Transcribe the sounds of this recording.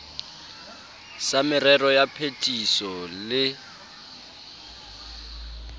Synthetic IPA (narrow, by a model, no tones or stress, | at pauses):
samɪrɛrɔjapʰetʼisɔlɪ